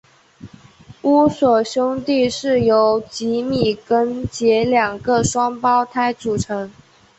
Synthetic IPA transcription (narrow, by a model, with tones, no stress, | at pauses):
u˥swɔ˨˩ɕjʊ˥ŋt̪i˥˧ʂɻ̩˥˩jo˧˥ʊt͡ɕi˧˥mi˨˩kə˥nt͡ɕjɛ˧˥ljɑ˨˩ŋɡə˧ʂwɑ˥ŋpɑ˥ʊt̪ʰa˥ɪʈ͡ʂu˨˩ʈ͡ʂʰɤ˧˥ŋ